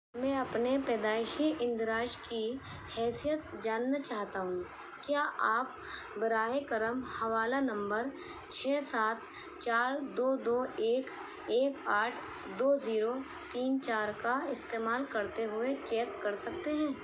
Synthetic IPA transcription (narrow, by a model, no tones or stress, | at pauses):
mɛ̃ɐpnepɛːd̪aːɪʃiʔɪ̃nd̪ɾaːʃki | hɛːsijət̪̚d͡ʒaːnːat͡ʃaːɦt̪aɦũː | kjaːʔaːp̚ | bɐɾaːekɐɾəmhɐʋaːlanɐ̃mbəɾ | t͡ʃʰɛːsaːt̪̚ | t͡ʃaːɾd̪oːd̪oːeːk | eːkaːʈʰ | d̪oːziːɾo | t̪iːnt͡ʃaːɾkaɪst̪eːmaːlkɐɾt̪eɦʊet͡ʃɛːkːɐɾsɐkt̪eɦɛ̃ː